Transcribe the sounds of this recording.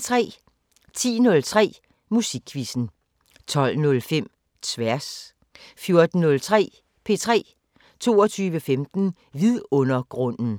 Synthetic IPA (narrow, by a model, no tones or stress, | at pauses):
t͡sʰʁɛ̰ː | t͡sʰḭːnɔ̽lt͡sʰʁɛ̰ː | musiɡ̥ʰʋisn̩ | t͡sʰɒ̽l̰nɔ̽lfem̰ | t͡sʰʋæɐs | fjo̝ɐd̥n̩ːɔ̽lt͡sʰʁɛ̰ː | pʰe̝̰ːt͡sʰʁɛ̰ː | t͡sʰo̝̰ːɐt͡sʰyːʋəfemd̥n̩ | ʋiðˠɔ̽nɐɡ̥ʁɔ̽n̰n̩